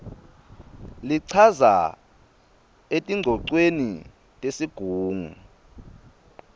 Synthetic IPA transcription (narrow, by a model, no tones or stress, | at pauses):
liǀʰaza̰ | etʼiŋ͡ǀʱɔǀweni | tʼesiɡ̥ʱuːŋu